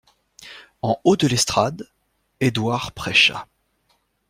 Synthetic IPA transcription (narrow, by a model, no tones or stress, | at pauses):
ɑ̃od̪əlɛst̪χad̪ | ed̪waʁpχɛʃa̰